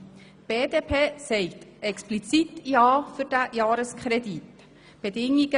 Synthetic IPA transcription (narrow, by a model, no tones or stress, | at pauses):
b̥eːdeːpʰeːsɛɪtɛksplit͡sitjɑːfyɾd̥æjɑːɾəskχɾɛdit | b̥ɛdɪŋiɡ̥ə